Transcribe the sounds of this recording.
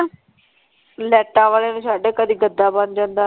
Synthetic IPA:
lɛːʈãːʋaːleːnũːsaːɖeːkəd̪iːɡəd̪ːaːband͡ʒãːnd̪aː

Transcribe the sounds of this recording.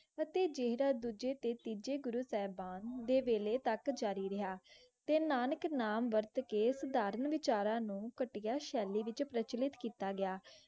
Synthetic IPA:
ət̪eːd͡ʒeɦɾaːd̪uːd͡ʒeːt̪eːt̪iːd͡ʒeːɡʊɾuːsɛːbaːnd̪eːʋeːleːt̪əkd͡ʒaːɾiːɾɪɦaː | t̪eːnaːnəknaːmʋəɾt̪keːsəd̪aːɾənʋɪt͡ʃaːɾãːnũːkəʈɪjaːʃɛːliːʋɪt͡ʃpɾət͡ʃlɪt̪kiːt̪aːɡɪaː

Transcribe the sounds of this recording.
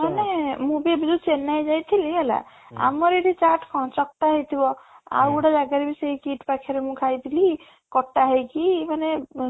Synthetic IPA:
manemũbebd͡ʒut͡ʃenːajd͡ʒajt̪ʰiliɦela̰ | a̰mɔɾeʈit͡ʃaʈʰkʰɔ̃t͡ʃɔk̚t̪aɦəjt̪ʰibɔa̰ɾuɽad͡ʒaɡaɾibiseikiʈpakʰeɾemũkʰajd̪ili | kɔʈːaɦəjkimane

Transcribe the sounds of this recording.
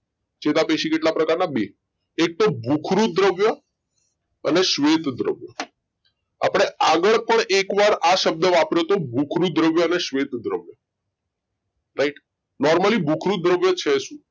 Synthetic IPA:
t͡ʃet̪apeʃikeʈlapɾəkaɾnabe | ek̚t̪obʱukʰɾud̪ɾəʋjə | əneʃʋet̪d̪ɾə̰ʋjə | a̰pɽ̃eaɡəɭpəɳekʋaɾaʃəb̚d̪əʋapɾot̪obʱukʰɾud̪ɾəʋjəəneʃʋet̪d̪ɾə̰ʋjə | ɾaiʈ | nɔɾməlibʱukʰɾud̪ɾəʋjət͡ʃʰeʃũ

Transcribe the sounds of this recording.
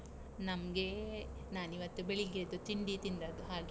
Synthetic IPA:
nɐmɡe | naːniʋɐt̪ːubeɭiɡed̪ut̪iɳɖiːt̪ind̪ɐːd̪uɦaːɡ

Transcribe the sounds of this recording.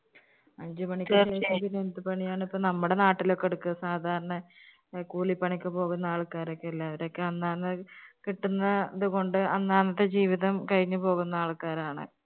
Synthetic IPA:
ɐɲd͡ʑumɐɳikʲːɐeːʂɐp̪ːinent̪ːɨpɐɳijaːɳipːoːnɐmːuɽe̞naːʈːilo̞kːeɽukːuɐsaːd̪ʱaːɾɐɳɐ | kuːlipːɐɳikʲːɨpo̞ːɣunːɐaːɭkːaːɾo̞kːeilːɐɐʋɐɾo̞kːeɐnːaːnɐkiʈːunːɐðuɣo̞ɳɖɨɐnːaːnɐt̪ːed͡ʑiːʋiðɐmkɐɻiɲːɨpo̞ːɣunːɐaːɭkaːɾaːɳɨ̰

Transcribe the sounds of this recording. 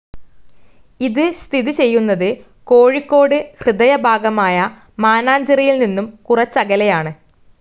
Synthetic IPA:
iðɨst̪ʰiðit͡ɕe̞jːunːɐðɨ | ko̞ːɻikːo̞ːɽɨhrɨðɐjɐbʱaːɡɐmaːjɐ | maːnaːɲd͡ʑɐrijilninːumkurɐt͡ɕːɐɡɐlɐjaːɳɨ

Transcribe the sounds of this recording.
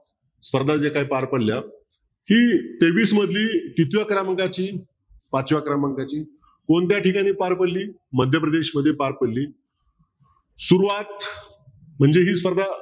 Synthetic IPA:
sfəɾd̪ʱad͡ʑekajpaɾpəɽlja | hiːt̪eʋiːsməd̪ʱliːkit̪jakɾaməŋɡat͡ɕiː | pat͡ɕʋjakɾaməŋɡat͡ɕiː | koɳt̪̬jaʈikañiːpaɾpəɽliː | məd̪ʱjəpɾəd̪eɕməd̪ʱːjepaɾpəɽliː | suɾuʋat̪ | m̤əɳd͡zeɦiːsfəɾd̪ʱa

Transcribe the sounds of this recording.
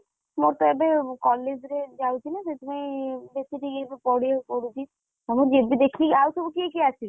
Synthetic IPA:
moɾt̪ɔɛbekɔled͡ʑɾed͡ʒawt͡ʃʰinaset̪ʰimajbesiʈiebepɔɽiepoɽut͡ʃʰi | amud͡ʒebid̪ekʰiiawsɔbukiekiat͡ʃʰil

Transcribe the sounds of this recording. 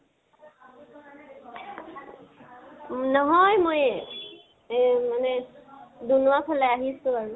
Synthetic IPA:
nɔɦɔjmoj | manɛ | dunuwapʰɛlɛaɦisʊ̃aɹu

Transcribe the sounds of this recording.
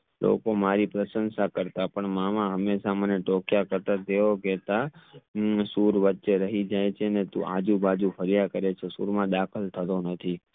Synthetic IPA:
lʔo̰komaɾipɾəsənsakəɾt̪apəɳmamãɦəmːeʃaməneʈokjakəɾt̪at̪eoket̪a | suɾʋətːʃeɾəɦid͡ʒajt͡ʃʰeənet̪ṵ̃ʔa̰d͡ʒũbad͡ʒũfʰəɾjakəɾet͡ʃʰesṵɾmãd̪akʰəlt̪ʰət̪onət̪ʰi

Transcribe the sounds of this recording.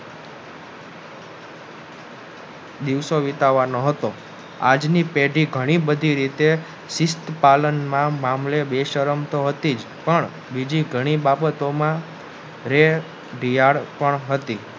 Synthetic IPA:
d̪iʋsoʋit̪aʋanoɦət̪o | ad͡ʒnipeɖiɡʱəɽ̃ibəd̪ʱiɾit̪e | sist̪palənmãmamlebeʃəɾəmt̪oɦət̪id͡ʒ | pəɳ | bid͡ʒiɡʱəɽ̃ibabət̪omã | ɾe | ɖijaɽpəɳɦət̪i

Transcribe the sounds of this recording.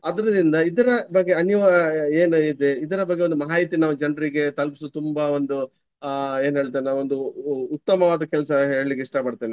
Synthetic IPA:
ɐd̪ɐɾɐd̪ind̪ɐid̪ɐɾɐbɐɡːe̞ɐniʋaːɐeːnuid̪eid̪ɐɾɐbɐɡːeond̪umɐɦaːit̪inaːʋud͡ʒɐɳɖɐɾiɡe̞t̪ɐlpis̬ut̪umbao̞nd̪u | e̞ːnuɦe̞ːɭt̪iːenaːʋond̪uːt̪ːɐmɐʋaːd̪ɐkɛlɐsɐɦeːɭɐlikːeiʂʈɐpɐɽt̪eːni

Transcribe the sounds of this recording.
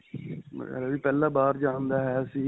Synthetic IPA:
mə̰ɾaːʋiːpɛːlãːbaːɾd͡ʒãːnd̪aːɦɛːəsĩː

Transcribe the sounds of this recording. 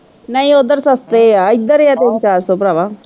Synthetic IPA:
nɐĩod̪əɾsɐst̪eaid̪əɾjat̪ent͡ʃaːɾsopɾaʋa

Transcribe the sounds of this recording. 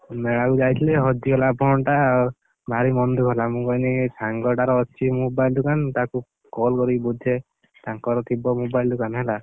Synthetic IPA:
meɭakud͡ʒajt̪ʰileɦɔd̪iɔlabʱɔɳʈa | bʱaɾimɔnd̪ukɦelamũkɔjnisaŋɡɔɖaɾɔːt͡ʃʰimobajld̪ukant̪aku | kɔlkɔɾibud̪ʱe | t̪aŋkɔɾɔt̪ʰibɔmobajld̪ukanɦela

